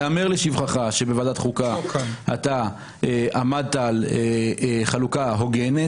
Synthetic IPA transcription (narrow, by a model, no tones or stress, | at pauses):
ameʁleʃivχaχaʃebe̞vadatχukaa̰ta | eʔamad̪̚taaleχalukaɦo̞ɡene